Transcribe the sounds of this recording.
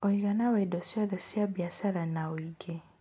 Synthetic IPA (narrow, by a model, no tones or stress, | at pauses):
oiɣanawaidɔsjaðɛsjabjasaɾanaoiɡe